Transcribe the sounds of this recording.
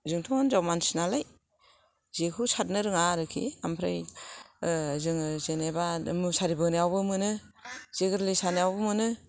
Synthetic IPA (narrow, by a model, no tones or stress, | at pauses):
zɯŋtʰɔŋanzawmansinalaj | zekʰɯsat̚nɯɾɯŋaɾɯkʰḭampʰɾaj | zɯŋzenebamɯsaɾibɯnijawbɯmɯnɯ | z̥eɡɯɾlisanjawbɯmɯnɯ